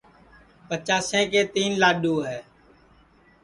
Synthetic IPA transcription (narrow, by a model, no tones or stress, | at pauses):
pət͡ʃaːsẽːkeːt̪iːnlaːɗuːɦɛː